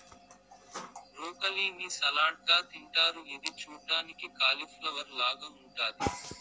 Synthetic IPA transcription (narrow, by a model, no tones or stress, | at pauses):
ɾuːkɐliːnisɐlaːʈ̚ɡaːt̪iɳʈaːɾuid̪it͡ʃuːʈaːnikikaːlifʰlɐʋɐɾlaːɡaːuɳʈaːd̪i